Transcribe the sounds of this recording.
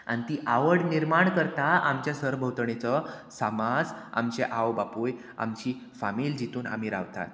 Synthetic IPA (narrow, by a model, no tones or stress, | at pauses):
anit̪iːʔaʋəɽniɾmaɳkəɾt̪aamt͡ɕjasəɾbʱəwt̪ɳet͡sɔsamad͡za̰mt͡ɕeʔawbapuj | a̰mt͡ɕiː | famiːld͡ʑit̪uːna̰m̤iːɾa̰ʋt̪a̰t̪